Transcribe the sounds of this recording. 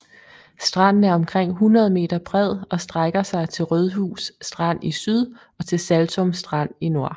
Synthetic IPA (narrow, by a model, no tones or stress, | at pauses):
sd̥ʁɑ̈n̰n̩æɐɒ̽mkʰʁeŋ̰ɦunʁɐð̞ˠəme̝̰ːd̥ɐb̥ʁɛð̞̰ˠɒ̽sd̥ʁaɡ̥ɐsɑ̈ɪt͡sʰe̝lʁøð̞ˠɦṵːsːd̥ʁɑn̰isyðˠ | ɒ̽t͡sʰe̝lsælt͡sʰɔ̽msd̥ʁɑ̈n̰ino̝ɐ̰